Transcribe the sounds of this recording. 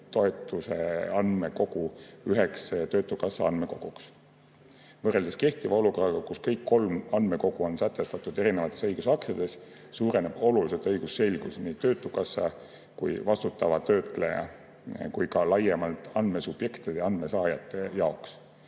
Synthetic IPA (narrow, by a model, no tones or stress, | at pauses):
t̪o̞e̞t̪ːˑusḛɑnme̞ko̞ɡ̥uyɦe̞kst̪ø̞ːt̪ːˑukɑsːɑɑnme̞ko̞̰ɡ̥uks | vɤre̞ld̪eske̞ht̪ivɑo̞luko̞rɑɡ̥ɑkuskɤjkːo̞lmɑnd̪me̞ko̞ɡ̥uo̞nsæt̪ːˑe̞st̪ɑt̪ːˑud̪e̞ɾinevɑt̪ːˑe̞sɤjɡ̥usɑkt̪jɑd̪̥e̞s | suːɾe̞ne̞b̥o̞luliset̪ˑɤjɡ̥usːe̞lʲɡ̥usniːt̪ø̞ːt̪ːˑukɑsːɑ̰ | kujvɑst̪ut̪ːˑɑvɑt̪ø̞ːt̪ˑlejɑ̰ | kujkɑlɑjemɑlt̪ˑɑnd̪me̞sub̥je̞kt̪id̪̥e̞ɑnd̪me̞sɑːjɑt̪ːˑe̞jɑo̞ks